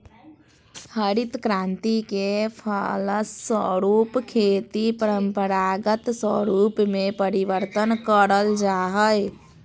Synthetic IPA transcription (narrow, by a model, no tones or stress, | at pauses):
pʰəɾit̪kɾãnt̪ikepʰaləsːə̰ɾupkʰet̪ipəɾəmpəɾaɡət̪swə̰ɾupmepəɾiʋəɾt̪ənkəɾəld͡ʒaɦəj